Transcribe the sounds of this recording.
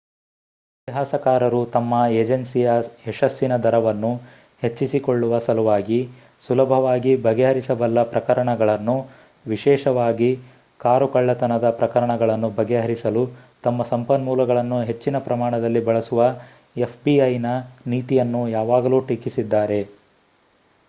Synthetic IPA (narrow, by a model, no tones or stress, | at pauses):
it̪iɦaːsɐkaːɾɐɾut̪ɐmːɐed͡ʒensijɐɛʃɐsːinɐd̪ʱɐɾɐʋɐnːu | he̞t͡ʃːisikoɭːuʋɐsɐluʋaːɡi | sulɐbʱɐʋaːɡibʱɐɡɛɦɐɾisɐʋɐlːɐpɾɐkɐɾɐɳɐɡɐɭɐnːu | ʋiʃɛːʃɐʋaːɡi | kaːɾukɐɭːɐt̪ɐnɐd̪ɐpɾɐkɐɾɐɳɐɡɐɭɐnːubʱɐɡɛɦɐɾisɐlut̪ɐmːɐsɐmpɐnmuːlɐɡɐɭɐnːuɦe̞t͡ʃːinɐpɾɐmaːɳɐd̪ɐlːibɐɭɐsuʋɐ | epʰbiɐjnɐniːt̪ijɐnːujaːʋaːɡɐluːʈikisid̪ːaːɾe̞